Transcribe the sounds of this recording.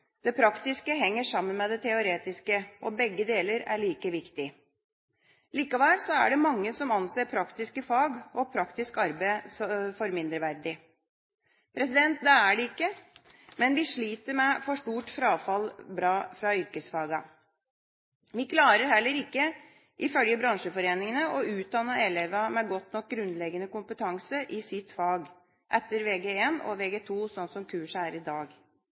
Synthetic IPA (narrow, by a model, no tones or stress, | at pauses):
d̪̥ɛpʰɾɑkt̪ɪskəɦɛŋːəʂɑmːənmɛd̪ɛt̪ʰɛʊɾeːt̪ɪskəʔɔbɛɡːəd̪eːləɾæ̰ɭiːkəʋɪkt̪ɪ | liːkɑʋæːlsɔæ̰ɖɛmɑŋːəsɔmɑnseːɾpʰɾɑkt̪ɪskəfɑːɡɔpʰɾɑkt̪ɪskɑɾbeɪsɔfɔɾmɪnd̪ɾəʋæɾd̪ɪ | pʰɾɛsɪd̪ɛnt̪̚d̪ɛæɖɛɪkːə | mɛnʋɪʂɭiːt̪əɾmɛfɔʂʈuːʈfɾɑːfɑlbɾɑːfɾɑʏɾkəsfɑːɡɑ | ʋɪkʰlɑːɾəɾhɛlːəɾɪkːə | ʔɪfœljəbɾɑŋʂəfɔɾeːnɪŋənəʔɔʉːt̪̚d̪ɑnːəɛlɛʋəmɛɡɔt̪nɔk̚ɡɾʉnlɛɡənəkʊmpət̪ʰɑŋsəɾʔɪsɪt̪ːfɑːɡ | ʔɛt̪ːəɾʋeːɡeeːnɔ̰ʋeːɡɛːt̪ʰuːsɔnsɔmkʰʉːʂəæːɾɪd̪ɑːɡ